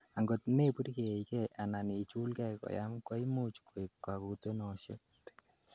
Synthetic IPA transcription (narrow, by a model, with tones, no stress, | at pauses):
a˨ŋɡo˨tne˦pu˦ɾke˨ikɛ˦ʔa˨na˨ni˨t͡ʃu˦lkɛ˦kɔ̰˨ja˦mkɔ˦i˦mu˦t͡ʃkʰo˨i˨kːa˨ku˧to˦nɔ˨ʃe˦t